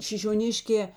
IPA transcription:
ʃʲɪʃʲoːˈnʲɪʃʲkʲɛː

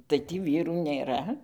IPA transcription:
tɐɪ ˈtʲiː ˈʋʲiːruː nʲeːˈrɐ

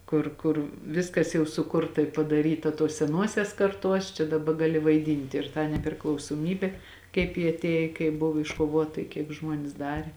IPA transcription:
ˈkʊr kʊr ˈʋʲɪskɐs jɛʊ sʊˈkʊrtɐ ɪ pɐdɐˈrʲiːtɐ tuɔs sʲɛˈnuɔsʲɛs kɐrˈtuɔs t͡ʃʲɛ dɐˈbɐ ɡɐˈlʲɪ ʋɐɪˈdʲiːnʲtʲɪ ɪr tɑː nʲɛpʲrʲɪklˠɐʊsˈoːmʲiːbʲeː kɐɪp jɪ ɐtʲˈeːj kɐɪp ˈbʊʋʊ ɪʃkoːˈʋuɔtɐ ɪ kʲiɛk ˈʒmuɔnʲeːs ˈdɑːrʲeː

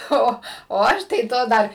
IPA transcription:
ˈoː oː ˈɐʃ tɐɪ ˈtoː ˈdɐr

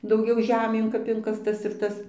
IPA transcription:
dɐʊˈɡʲɛʊ ˈʒʲæːmʲeːn kɐp ˈɪŋkɐstɐs ɪr ˈtɐs

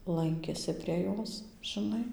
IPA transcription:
ˈlˠɐŋʲkʲeːsʲɪ pʲrʲiɛ ˈjoːs ʒʲɪˈnɐɪ

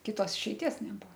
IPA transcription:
kʲɪˈtoːs ɪʃʲɛɪˈtʲiɛs nʲɛˈbʊʋoː

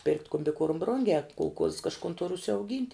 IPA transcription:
pʲɪrktʲ kʊmʲbʲɪˈkuɔrm ˈbrʊŋʲɡʲæː kʊlˠˈkuɔss kɐʃˈkʊn tʊr ʊʃʲsʲɛʊˈɡʲiːnʲtʲ

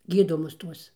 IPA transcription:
ˈɡʲiːdoːmʊs ˈtuɔs

